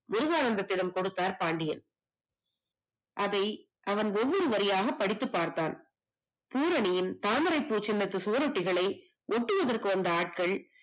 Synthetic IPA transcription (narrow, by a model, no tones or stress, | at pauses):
mʊɾʊɣaːnɐnd̪ɐt̪ːɪlɐmkɔɽɯt̪ːaːɾpaːɳɖɪjɐn | ʔɐðɐɪ | ʔɐʋɐnɔʋːɔɾɯʋɐɾɪjaːɣɐpːɐɽɪt̪ːɯpːaːɾt̪a̰ːn | puːɾɐɳɪjɪnt̪aːmɐɾɐɪpːuːt͡ʃɪnːɐt̪ːɯsuːɐɾɔʈːɪɣɐɭɐɪ | ʔɔʈːɯʋɐðɐrkɯʋɐnd̪ɐaːʈ̚kɐɭ